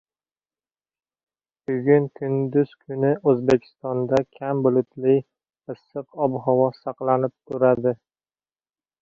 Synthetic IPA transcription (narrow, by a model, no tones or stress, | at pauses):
b̥ʊɡʲʊŋkʰʊnd̪ʊz̥kʰʊnɪʔɵzbekʲʰɪ̥st̪ɒnd̪akʲʰambʊlˠʊt̪lɪj | ɨsːɨqɒbɦɒwɒsɑqlˠanɪp̚t̪ʰʊɾad̪ɪ